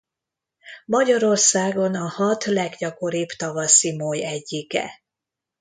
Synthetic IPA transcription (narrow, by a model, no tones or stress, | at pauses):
mɒɟɒɾo̞rsaːɡo̞nɒhɒt̪lɛɡɟɒko̞ɾiːbt̪ɒvɒsimoːjɛɟːikɛ̰